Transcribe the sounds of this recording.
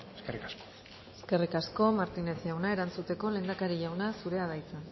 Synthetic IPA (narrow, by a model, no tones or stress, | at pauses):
eskerikasko | eske̞rikasko̞maɾt̪ine̞sʝawnae̞ɾant͡sut̪e̞ko̞le̞ːnd̪akaɾiʝawnasuɾe̞aðajt͡san